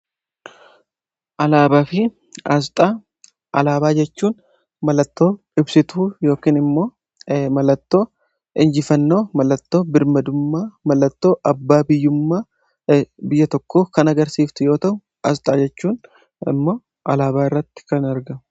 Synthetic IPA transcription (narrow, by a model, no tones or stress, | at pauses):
ʔɐlaːbaːfɪ | ɐst̪ʼaː | ʔɐ̰laːbaːd͡ʒɛt͡ʃːuːn | mɐlɐt̪ːo̞ː | ɪbsɪt̪ujo̞ːkiːnɪmːo̞ː | mɐlɐt̪ːo̞ː | ɪnd͡ʒɪfɐnːo̞ːmɐlɐt̪ːo̞ːbɪɾmɐd̪ʊmːaːmɐlɐt̪ːo̞ːʔɐbːaːbɪjːʊmːaː | bɪjːɐt̪ɔkːoːkɐnɐɡɐɾsiːft̪ʊjo̞ːt̪ɐhʊ | ʔɐst̪ʼaːd͡ʒɛt͡ʃːuːn | ɪ̰mːoː | ʔɐlaːbaːɪrːɐt̪ːɪ̥kɐnɐɾɡɐ